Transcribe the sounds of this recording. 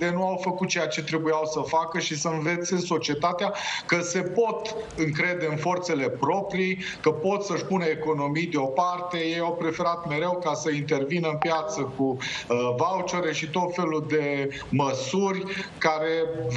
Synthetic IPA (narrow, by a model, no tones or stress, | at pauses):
d̪enuawfəkut̪̚t͡ʃe̞jat͡ʃe̞t̪ɾe̞bujawsəfakəʃisəɨnve̞t̪senso̞t͡ʃie̞t̪at̪eakəse̞po̞t̪ | ɨŋkɾe̞d̪e̞ɨnfo̞rt̪se̞le̞pɾo̞pɾij | kəpo̞t̪səʃpunəeko̞no̞mijd̪eo̞part̪e̞je̞jawpɾe̞fe̞ɾat̪me̞ɾe̞wkasəint̪e̞rvinəɨnpjat̪səku | vaut͡ʃoɾe̞ʃit̪o̞t̪fe̞lud̪e̞ | məsurʲkaɾe̞v